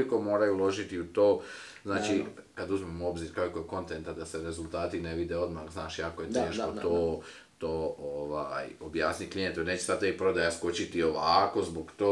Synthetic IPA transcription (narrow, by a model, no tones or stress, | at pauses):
iko̞mo̞ːɾajuulo̞ʒit̪iut̪o̞ː | znaːt͡ʃi | kad̪uzmemuo̞bziɾkaoliko̞jeko̞nt̪e̞nt̪ad̪ase̞ɾe̞zulˠt̪aːt̪ine̞ʋid̪eo̞d̪maɣznaːʃiako̞jet̪eːʃko̞t̪oː | t̪oːoʋajobjaːsniklient̪oneːt͡ɕesadt̪aipɾo̞d̪ajasko̞t͡ɕit̪io̞ʋako̞zboɡt̪oː